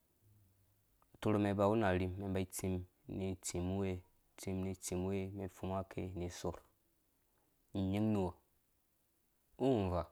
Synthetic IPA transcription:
to˧ɾo˨me˨˧ba˨wu˦na˨ɾi˨mːe˨mba˦i˦t͡si˧m | ni˨t͡si˨mu˦we˦˨ | t͡si˧mni˧t͡si˨mu˦we˦me˨fu˦ma˦kʰḛ˦˨ni˨so˨ɾ | ɲi˦ŋni˨wa˨ | u˦˨va˨

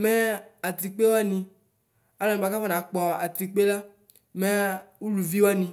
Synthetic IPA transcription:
mɛ˦a˨t̪ɾi˨k͡pe˦wa˦nĩ˧ | a˦lɔ˨m˨a˨ka˦fa˦nã˨˦k͡pɔ˨a̰˨t̪ɾi˨k͡pe˦la˦ | me˦u˦lu˨vi˦wa˦nĩ˧

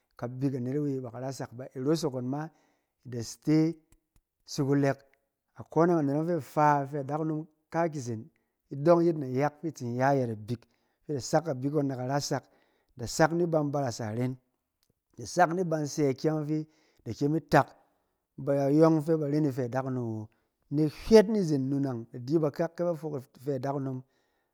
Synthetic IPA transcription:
ka˨bi˧ka˨ne˨ɾa˦wi˧˨ba˨ka˨ɾa˦sa˨kba˨i˨ɾo˦s̬o˨ko˨nma˦ | i˨da˨ste˦ | si˧ku˧le˧k | a˨ko˦ne˦ŋa˨ne˨ɾo˦ŋfe˦˨fa˦˨fe˦a˨da˦knu˧m | ka˦k̬i˨s̬e˨n | i˦do˦ŋ˦ji˦tna˨ja˦kfi˦˨t͡si˨n˨ja˦ja˧˨ta˨bi˨k | fi˦da˨sa˦kːa˨bi˦k̬ːo˧nːa˨ka˨ɾa˦sa˨k | da˨sa˦kni˦ba˧nba˧ɾa˨sa̰˨ɾe˦n | da˨sa˦kni˦ba˧nse˧˦a˨kʲa˦ŋ˦fi˦ | da˨kʲe˦mi˦ta˨k | ba˨ɾa˨jo˦ŋ˦fe˦ba˨ɾe˦ni˧fe˧a˨da˦kno˨mwo˨˦ | ne˦hʲʷe˦t̬ni˦zi˨nːu˧na˨ŋda˨di˦ba˧ka˦kːe˦ba˦fo˧˦kfe˧a˨da˦kno˧m

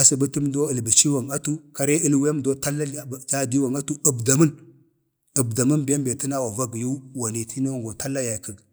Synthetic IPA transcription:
a˨si˨bə˦ti˦mdo˦ə˨lbə˨t͡ʃi˦wa˨ŋa˦tu˦ka˦ɾe˦ə˦lwe˦mdo˦ta˦la˦˨d͡ʒa˦˨di˦wa˨ŋa˦tu˦ə˨bda˨mə˦n | ə˨bda˨mə˦nbe˦mbe˨ti˦na˦wa˨va˦ɡju˦wa˨ni˨ti˦no˦˨ŋɡo˨ta˦lːa˦ja˨kə˨ɡ

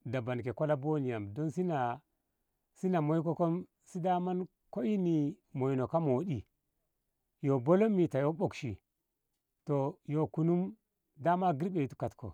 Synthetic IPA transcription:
da˨ba˨nke˨ko˦la˦bo˦ni˨ja˨mdo˦nsi˦na˨ | si˦na˨mo˨˦jko˦ko˦m | si˦da˦ma˦n | ko˦i˦ni˨ | mo˨jno˨ka˦mo˨˦ɗi˨ | jo˨bo˦lo˦mːi˨ta˨jo˦ɓo˦kʃḭ˨ | to˨jo˨ku˨nu˦m | da˦ma˦ɡi˦ɾɓe˨tu̥˦ka˨tko̰˨

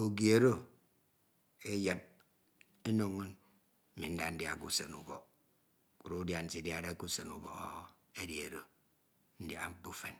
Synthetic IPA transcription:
o˨ɡi˦˨e˨ɾo˦ | e˦je˨t̚ | e˦no˨ŋo˦n̩˦ | mi˨n̩˦da˦n̩˦dja˨ku˦se˨nu˨bɔ˨ | ku˨ɾo˦u˦dja˨n̩˨si˨dja˨ɾe˦ku˦se˨nu˨bɔ̰˨ɔ˦ | e˦dji˨e˨ɾo˦ | n̩˦dja̰˨˦m̩˦k͡pu˦fe˨n

